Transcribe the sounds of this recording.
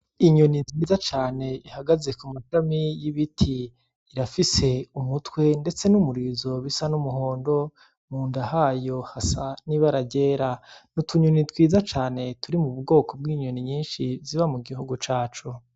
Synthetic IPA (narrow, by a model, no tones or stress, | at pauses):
iɲo̞nitwiːzat͡ʃaːne̞ihaɡaze̞kumaʃamijiβitʰiː | ɾafise̞umutwe̞nde̞t͡se̞numuɾiːzo̞βisanumuɦo̞ːndo̞ | muːndahaːjo̞hasaniβaɾaɟe̞ːɾanutʰuɲonitwiːzat͡ʃaːne̞tuɾimuβuɡɡo̞ːko̞b̚ɡiːɲo̞niɲiːnʃiziβamuɡihuɡut͡ʃaːt͡ʃu